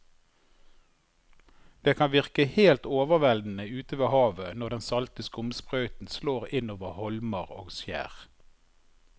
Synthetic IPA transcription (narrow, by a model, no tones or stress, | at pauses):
d̪̥eːkʰɑnʋɪʁkəheːlt̪oːʋəʁʋɛld̪n̩əʉːt̪əʋeːhɑːʋənɔʁd̪ɛnsɑlt̪əskʊmspʁœʏt̪n̩sloːʁɪnoːʋəhɔlməʁo̰ːɡsjæ̰ːʁ